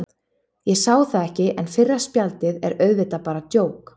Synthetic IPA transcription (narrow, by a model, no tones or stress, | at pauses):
jɛsaːwθaðɛhcɪʔɛnfɪrːḁspjalt̪ɪðɛɾœːɥvɪt̪apaːɾat̪joːwk